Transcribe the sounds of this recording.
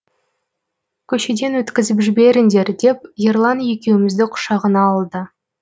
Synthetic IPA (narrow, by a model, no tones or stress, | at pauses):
kʲʰɵʃe̞d̪e̞nwɵt̪kʲɪzɪpʒɪbe̞ɾɪnd̪e̞ɾd̪e̞p̚jerlˠɑnje̞kʲe̞wɪmɪzd̪ɪqʰʊ̥ʃɑʁənɑːlˠd̪ə